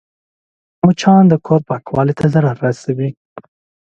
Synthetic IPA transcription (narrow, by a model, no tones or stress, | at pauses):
mut͡ʃʰɑːnd̪əkʰoɾ̚pakwɑlit̪ʰazəɾaɾasawi